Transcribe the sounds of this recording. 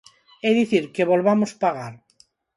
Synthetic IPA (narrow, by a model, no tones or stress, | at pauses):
eðiθiɾke̞βo̞lβamospaɣ̞aɾ